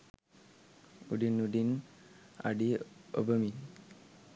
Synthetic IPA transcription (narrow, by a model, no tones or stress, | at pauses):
ṵɖinuɖin | a̰ɖiɔ̰bəmi